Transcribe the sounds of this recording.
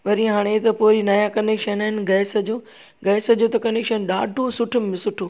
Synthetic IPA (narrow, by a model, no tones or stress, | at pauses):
ʋɐɾiɦaːɽ̃et̪ɐpoːɾinɐjakɐneːkʃənɦɪnɡɐːsə̆d͡ʑoː | ɡɐːsɐd͡ʑoːt̪ɐkɐneːkʃənɗaːɖʱosʊʈʰʊmmɪ̃sʊʈʰo